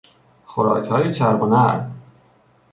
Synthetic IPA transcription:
xoɾɒ̰ːcʰhɒːjet͡ʃʰæɾbonæɾ

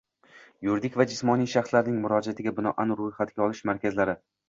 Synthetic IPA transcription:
jʊɾd̪ɪkʲvad͡ʒɪsmɒnijʃaχslaɾnɪŋmʊɾɒd͡ʒat̪ʰɪɡʲabɪnɒʔanɾʊjχat̪ɡʲaɒlˠɪʃmaɾkʲʰazlaɾɪ

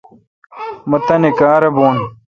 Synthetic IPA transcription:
mɐt̪ɐnekaːɾɐboːn

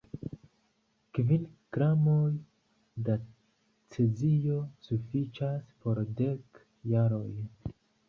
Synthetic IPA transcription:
kvilɡ̥ɾamo̞j | da | t͡sezijo̞sufit͡ʃaspo̞ɾde̞k | jaɾo̞j

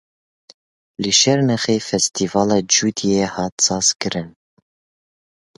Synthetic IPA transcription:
lɨʃɛɾnɛxeːfɛst̪ʰiːvɑːlɑːd͡ʒud̪iehɑːt̪sɑːzkɨɾɨn

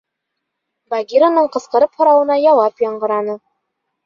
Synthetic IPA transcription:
baɡʲiɾonɤɴqɤ̆sqɤ̆ɾɤphŏɾɑwɤ̆nɑjɒw̪ˠɑpjɒɴɢɤ̆ɾɑnɤ

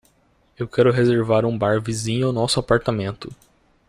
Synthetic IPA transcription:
ewkɛɾʊɦezeɾvaɾũbaɾvizĩɲʊawnɔsʊapaɾt̪amẽnt̪ʊ

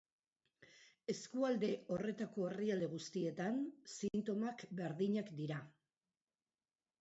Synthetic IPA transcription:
e̞skuald̪e̞o̞re̞t̪ako̞eriald̪eɣ̞ust̪ie̞t̪ansint̪o̞makbe̞ɾðiɲakd̪iɾa

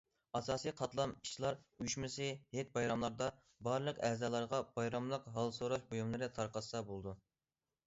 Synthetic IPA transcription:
ɑsɑːsijqʰɑt̪lˠɑmi̥t͡ʃʰlˠɑɾyjyʃmɪsɪhet̪̚bɑjɾɑmlˠɑɾd̪ɑ | bɑɾlˠəqɛzɑːlˠɑɾʁɑb̥ɑjɾɑmlˠəqɦɑlˠsoɾɑʃbojumlˠɨɾɨt̪ʰɑɾqɑsɑbolˠɨd̪u

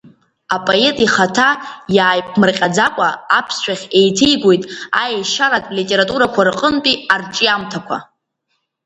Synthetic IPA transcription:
apʼoe̞tʼiχatʰajaːjp̚ʰmɨrqʲʼad͡zakʷʼaapʰsʃʷᶣaχʲe̞jtʰejɡʷo̞jtʼa̰ejʃaɾatʼlitʼe̞ɾatʼuɾakʷʰarqʼəntʼiarʈ͡ʂʼiamtʰakʷʰa̰

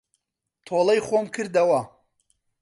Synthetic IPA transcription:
t̪ʰoːlˠɐjχoːmkʰɨɾd̪ɐwɐ

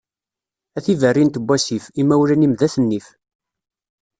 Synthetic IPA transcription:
æθivərːint̪əbʷːæsifimæwlænimðæθənːif

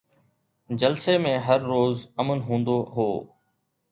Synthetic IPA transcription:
d͡ʑɐlsemẽɦɐɾːoːzɐmənɦũːnd̪oɦoː

